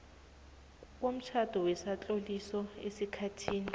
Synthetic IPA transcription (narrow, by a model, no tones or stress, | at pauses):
k̬om̩t͡ʃʰad̥ʱɔwɛsat͡ɬʼolisɔesikʰatʰiːni